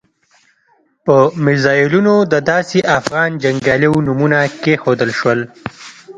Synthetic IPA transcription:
pəmɪzɑjɪlunod̪əd̪ɑseʔafɣɑnd͡ʒaŋɡjɑlewnumunakexod̪əlʃwəl

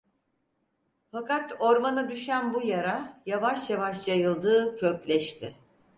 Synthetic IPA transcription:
fakat̪o̞ɾmanad̪yʃænbujaɾajavaʃjavaʃjajɯlˠd̪ɯːcʰøclʲɛʃt̪ʰɪ

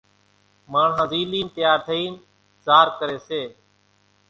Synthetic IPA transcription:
maːɳãːziːliːnt̪əjaːɾt̪ʰəiːn | zaːɾkəɾeːseː

